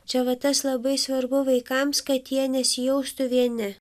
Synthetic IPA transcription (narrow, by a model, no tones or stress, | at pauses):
t͡ʃʲɛʋɐt̪ɐslˠɐbɐɪsʋɐɾbʊʋɐɪkɐmskɐt̪jiɛnʲɛsʲɪjɛʊst̪ʊʋʲiɛnʲɪ